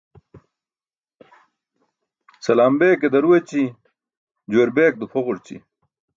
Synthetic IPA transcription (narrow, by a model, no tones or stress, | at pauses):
sɐlaːmbeːked̪ɐɾuwet͡ɕi | d͡ʑoːɾbeːk̚d̪ufʰoʁuɾt͡ɕḭ